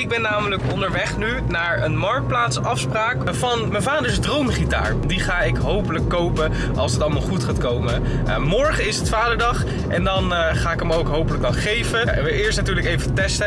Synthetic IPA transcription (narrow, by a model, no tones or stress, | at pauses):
ɪɡ̚bɛnːaːmələkɔndəɹʋɛχny | naːɹənmɑɹk̚t̚plaːtsɑfspraːk | vɑnmɛnvaːdəɹsdrowmχita̰ːɹdiχaːɪkɦowpələkːowpə | ʔɑ̰lˠsətɑlˠmaːlˠχutχaːtkowmə | mɔɹχəɪsətfaːdəɹdɑχ | ʔɛndɑn | χaːɪkəmowkɦowpələk̚dɑnχejvə | ʋəʔɪːɹstnatyːɹləkejvətɛstə